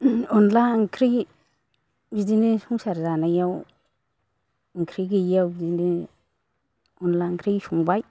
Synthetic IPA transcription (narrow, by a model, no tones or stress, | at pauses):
ɔnlaŋkʰɾi | bidinisuŋsaɾzanajaw | ŋkʰɾiɡiijawbidini | ɔnlaŋkʰɾisuŋbaj